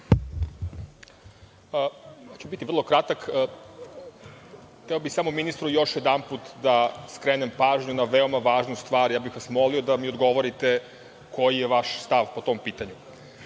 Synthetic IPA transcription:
jat͡ɕebit̪ir̩lˠo̞kɾat̪akː | t̪eobixsamominist̪ɾujo̞ʃjed̪anput̪d̪askɾeːnempaːʒɲunaʋeo̞maʋaːʒnust̪ʋaːɾjaːbixʋasmo̞lio̞d̪amio̞d̪ɡo̞ʋo̞ɾit̪e̞ | kʰo̞jijeʋaʃst̪aʋpo̞t̪o̞mpiːt̪aɲu

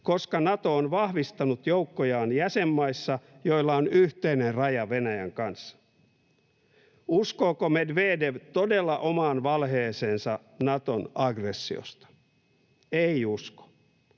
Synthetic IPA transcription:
ko̞skɑnɑt̪o̞ːnʋɑhʋist̪ɑnut̪joukːojɑːnjæsemːɑisːɑjoilːɑonyht̪einerrɑjɑʋenæjæ̰ŋkɑnsːɑ̥ | uskoːkomedʋeːdeʋt̪odelːɑʔomɑːnʋɑlɦeːseːnsɑ | nɑt̪onɑɡresːio̰st̪ɑ̥ | eiusko̥

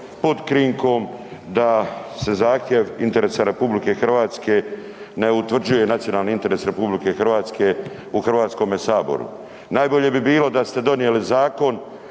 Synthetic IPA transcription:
pod̪kɾiŋko̞md̪ase̞zaːxt̪ʲje̞ʋint̪e̞ɾe̞ːsaɾe̞publike̞xr̩ʋaːt̪ske̞ | ne̞ut̪ʋr̩d͡ʑuje̞nat̪sijo̞naːlniint̪e̞ɾe̞ːsɾe̞publike̞xrʋaːt̪ske̞ | uxr̩ʋaːt̪sko̞mesaːbo̞̰ɾṵ | naːjbo̞ʎe̞bibiːlo̞d̪ast̪e̞d̪o̞nijelizaːko̞n

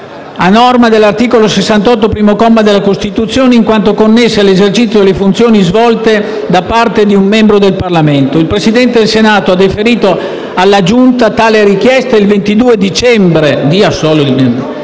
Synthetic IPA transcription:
anɔrmad̪elːart̪iːkolosesːant̪ɔt̪̬ːopɾiːmokɔmːad̪elːakost̪it̪ut̪sːjoːneiŋkwant̪okonːesːealezert͡ʃit̪sːjoelːefunt̪sjoːnizvɔlt̪e | d̪apart̪ed̪iumːɛmbɾod̪elparlament̪oilpɾesid̪ɛnt̪ed̪elsenaːt̪oad̪ːifeɾiːt̪o | alːad͡ʒunt̪at̪aːleɾik̟jɛst̪ailvent̪id̪uːed̪it͡ʃɛmbɾed̪iasoːlod̪imem

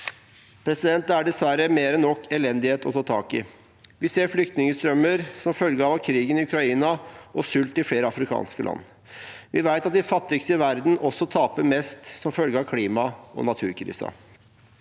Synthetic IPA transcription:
pʰɾɛsɪd̪ɛnt̪æɖɛsʋæɾəmeːɾɛnːɔkːɛlɛnd̪ɪheːt̪ʰɔt̪ʰɑːt̪ʰɑ̰ːkɪ | ʋɪseːɾflʏkt̪nɪŋəst̪ɾœmːəɾsɔmfœlɡəɑːʋkʰɾiːɡənɪʉkɾɑiːnɑʔɔsʉlt̪ɪfleːɾəɑfɾɪkʰɑ̰ːnskəlʔɑ̰nː | ʋɪʋæɪt̪ɑt̪̚d̪ɪfɑt̪ːɪɡsɪʋæɾd̪n̩ʔɔsːɔt̪ʰɑːpəmɛst̪sɔmfœlɡəɑʋkʰliːmɑɔ̰nɑt̪ʰʉ̰ːɾkʰɾḭːsɑ̰

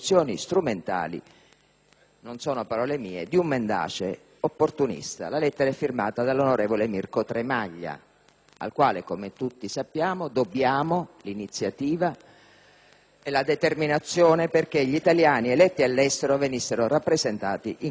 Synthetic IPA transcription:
sːjɔːnist̪ɾument̪a̰ːlḭ | nonsɔːnopaɾɔːlemiːed̪iumːend̪a̰ːt͡ʃe | opːort̪unḭst̪a̰lalɛt̪ːeɾaɛfːirmaːt̪ad̪alːonoɾeːvolemirkot̪ɾemaʎːa̰ | a̰lkwaːlekomet̪ut̪ːisapːjaːmod̪obːjaːmolinit̪sːjat̪iːva | elad̪et̪erminat̪sːjɔːneperk̟eʎit̪aljaːnielɛt̪ːialːɛst̪eɾovenisːeɾorapːɾezent̪aːt̪iʔi

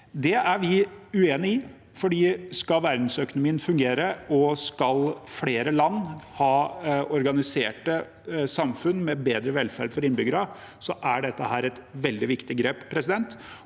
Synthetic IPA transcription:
d̪ɛæɾʋɪʉeːnɪɪ | fɔɖiːskɑlʋæɾd̪n̩sœkʊnʊmiːənfʉŋɡeːɾəɔskɑlfleːɾəlɑnːhɑːɔɾɡɑnɪseːʈə | sɑmfʉnmɛbeːd̪ɾəʋɛlːfæɾɖfɔɾɪnbʏɡəɾɑ | sɔʔæɖɛt̪ːəhæːɾɛt̪ʋɛld̪ɪʋɪkt̪ɪɡɾeːppʰːɾɛsɪd̪ɛnt̪

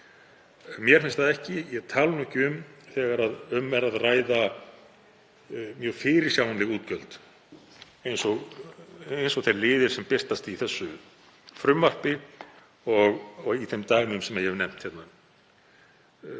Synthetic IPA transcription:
mjɛɾ̥fɪnst̪aðɛhcɪjɛɣt̪ʰaːlnɔhcɪʏmθɛːɣaɾaðʏmːɛɾaðraːjða | mjœːɣfɪːɾɪɾ̥sjaːwant̪lɪɣuːt̪cœlt̪ | ejnsɔɣ | ejnsɔɣθejɾlɪːðɪɾ̥sɛmpɪr̥t̪ast̪iθɛsːʏ | fɾʏmːar̥pɪ | ɔɣɔɣiθɛjmt̪aːjɣnʏmsɛmaðjɛhɛvnɛm̥t̪çɛt̪na

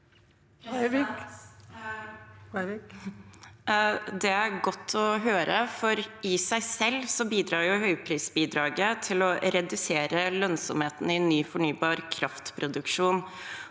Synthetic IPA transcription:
d̪ɛæɾɡɔt̪ʰːɔɦøːɾəfɔɾɪsæɪsɛlːsɔbiːd̪ɾɑːɾjʊhœʏpʰɾiːsbiːd̪ɾɑːɡət̪ʰɪlɔɾɛd̪ʉseːɾəlœnsɔmheːt̪n̩ɪnːyːfɔɳyːbɑːɾkʰɾɑft̪pʰɾʊd̪ʉkʂuːn

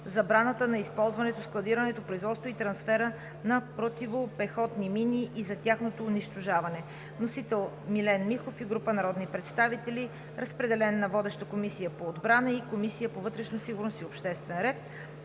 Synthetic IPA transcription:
zɐbɾanət̪ənɐispɔlˠzvɐnɛt̪osklˠɐd̪iɾənɛt̪opɾoizvɔt̪st̪voit̪ɾɐnsfɛɾə | nɐpɾot̪ivopɛxɔt̪niminʲiʔːzɐt̪ʲjaxnot̪oːniʃt̪oʒavɐnɛ | nosit̪ɛlˠ | milɛnmixofiɡɾupənɐɾɔd̪nipɾɛt̪st̪avit̪ɛli | ɾəspɾɛd̪ɛlɛnːɐvɔd̪ɛʃt̪əkomisijəpoːd̪bɾanəikomisijəpovɤt̪ɾɛʃnosiɡʊɾnost̪iopʃt̪ɛst̪vɛnɾɛt̪̚

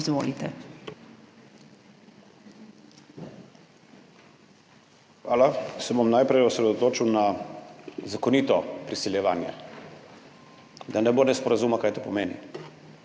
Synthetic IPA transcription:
zʋo̰ːlit̪ɛ | xʋaːlasɛbomnajpɾɛjɔsɾɛd̪ot̪oːt͡ʃiwna | zakɔniːt̪ɔpɾisɛljɛʋaːnjɛ̰ | d̪anɛboːnɛspɔɾazuːmakaːjt̪opɔmeːnḭ

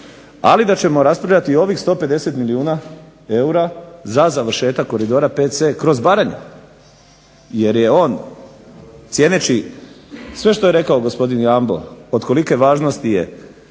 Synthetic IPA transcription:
a̰lid̪at͡ɕe̞mo̞ɾaspɾaʋʎʲat̪io̞ʋixst̪o̞ːpe̞d̪e̞se̞t̪miliuːna | e̞uɾazazaʋɾ̩ʃe̞ːt̪akːo̞ɾid̪o̞ːɾapese̞kɾo̞zbaɾaɲḛ | je̞ɾje̞o̞ːn | t̪sʲjenet͡ɕi | sʋe̞ʃt̪oe̞ɾe̞kaoɡo̞spo̞d̪injambo̞̰od̪ko̞like̞ʋaːʒno̞st̪ije̞̰

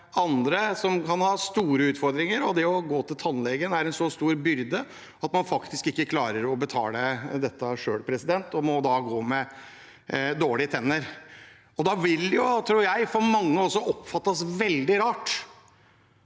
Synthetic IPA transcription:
ɑnd̪ɾəsɔmkʰɑnhɑːst̪uːɾəʉːt̪fɔɾd̪ɾɪŋəɾɔd̪ɛɔɡoːt̪ʰɪlt̪ʰɑnlɛɡənæɾɛnsɔst̪uːɾbʏɾd̪ə | ɑt̪mɑnfɑkt̪ɪskɪkːəkʰlɑːɾəɾɔbət̪ʰɑ̰ːləd̪ɛt̪ːəʂøːɽpʰɾɛsɪd̪ɛnt̪ɔmɔd̪ɑɡoːmɛ | d̪oːɭɪət̪ʰɛnːəɾ | ɔd̪ɑʋɪljʊt̪ʰɾuːɾjæɪfɔɾmɑŋːəɔsːɔʔɔpːfɑt̪ːəsʋɛld̪ɪɾɑːʈ

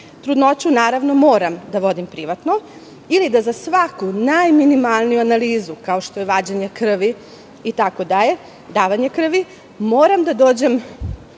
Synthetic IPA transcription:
t̪ɾud̪not͡ɕunaːɾaʋno̞moːɾamd̪aʋo̞d̪impɾiʋat̪no̞ | ilid̪azasʋakunajminimalˠnijuanaliːzukaoʃt̪ojeʋaːd͡ʑeɲekr̩ʋi | it̪ako̞d̪aʎe̞ | d̪aːʋaɲe̞kr̩ʋi | moːɾamd̪ad̪o̞ːd͡ʑe̞m

